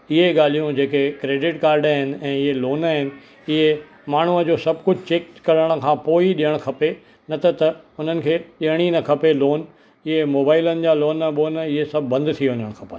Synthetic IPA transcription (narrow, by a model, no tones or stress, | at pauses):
ɪɦeɠaːl̤ijũd͡ʑeːkekɾeːɖɪʈkaːɾɖaɦɪnɪ̆ɛ̃ːɪɦeloːnaɦɪnɪ̆ | ɪɦe | maːɳ̤uəd͡ʑoːsɐb̚ʱkʊd͡ʑʱt͡ɕeːkkːɐɾəɽ̃ə̆kʰãːpoːiɗijəɽ̃kʰɐpe | nɐt̪ʰɐt̪ɐʊn̤ənɪ̆kʰeːɗiəɽ̃inɐkʰɐpeloːn | ɪɦemoːbaːɪlənɪ̆d͡ʑaːloːnːɐɓoːnɪɦesɐbʱːɐ̃nd̪t̪ʰiʋə̃ɲəɽ̃kʰɐpa